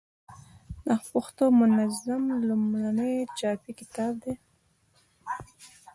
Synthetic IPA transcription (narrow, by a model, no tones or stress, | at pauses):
naxpʊxt̪omʊnazamlumɾanet͡ʃɑpikɪ̥t̪ɑb̚d̪e